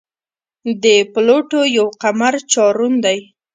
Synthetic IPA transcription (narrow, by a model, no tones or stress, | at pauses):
d̪əploʈojawqamaɾt͡ʃɑɾund̪aj